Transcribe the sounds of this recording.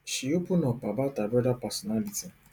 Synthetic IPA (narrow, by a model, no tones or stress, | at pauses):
ʃiopunɔpabatabɾɔdapasɔnaliti